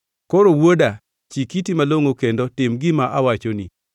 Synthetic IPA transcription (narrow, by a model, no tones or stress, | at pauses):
koɾowoda | t͡ʃikitimaloŋokendotɪmɡɪmaʔawat͡ʃonḭ